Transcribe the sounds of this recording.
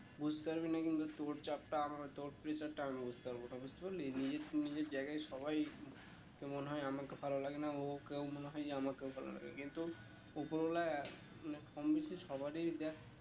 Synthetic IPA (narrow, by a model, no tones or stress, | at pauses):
bud͡ʑt̪eaɾbinakinbat̪oʈt͡ɕap̚ʈaamaɾet̪oʈ̚pɾet͡ɕaɾʈaamibud͡ʑʱt̪eaɾbonabud͡ʑt̪epalinid͡ʑeɾnid͡ʑeɾd͡ʑajɡajʃɔbaj | kemoneɦɔjamakefʰalolaɡenaokewmoneɦɔjd͡ʑeamakewfʰalo̰la̰ɡḛkint̪u | opoɾbolae | maneɔmbiʃiʃɔbaɾiɾd̪a